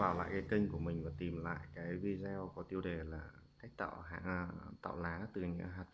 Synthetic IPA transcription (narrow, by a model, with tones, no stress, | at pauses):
vaː˨˩wla̰ː˧˨jkaː˨˦jkə˧ŋ̟ku˧˩əmï˨˩ŋ̟vaː˨˩t̪i˨˩mla̰ː˧˨jkaː˨˦jvi˧zɛ˧wkɔ˨˦t̪i˧əwɗe˨˩laː˨˩tʰa˦˥jk̟̚t̪a̰ː˧˨wɦa̰ː˧˨˧t̪a̰˧˨wlaː˨˦t̪ɨ˨˩ɲɨ̰˧˥ɦaː˨˩t̚f